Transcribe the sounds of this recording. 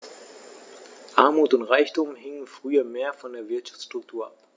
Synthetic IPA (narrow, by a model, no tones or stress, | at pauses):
ʔaɐmuːtʊntʁaɪçtumhɪŋənfʁ̥yːɐmeːɐfɔndeːɐvɪɐtʃḁft͡ssʃtʁ̥ʊk̚tʰuːɐʔap